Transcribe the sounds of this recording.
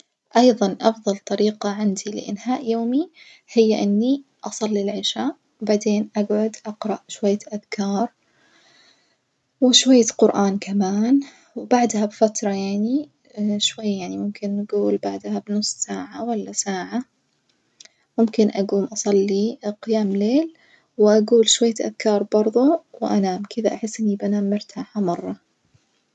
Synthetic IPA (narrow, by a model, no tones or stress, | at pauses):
ʔɑjðˤɑnʔɑfðˤɑlt̪ˤɑɾiːqɑʕɪnd̪ilɪ̰ʔɪ̰nhaːʔjoːmi | hɪjːaʔɪnːiʔɑsˤɑlːilʕɪʃaːʔ | wbaʕd̪eːnʔaɡʕʊd̪ʔɑqɾˤɑʔʃwajːaʔaðkʰɑːɾˤ | wɪʃwajːaqʊɾʔaːnkʰamaːn | wbaʕd̪habfat̪ɾˤɑjaʕni | ʃwajːjaʕnimʊmkɪnːaɡuːlbaʕd̪habnʊsˤːsaːʕawalːasaːʕa | mʊmkɪnʔaɡuːmʔɑsˤɑlːiqɪjaːmleːl | wʔaɡuːlʃwajːaʔa̰ðkɑːɾˤbɑɾˤðˤuwʔanaːmkʰɪd̪aʔaħɪsːʔɪnːibʔanaːmːɪɾt̪ʰaːħamɑrˤːɑ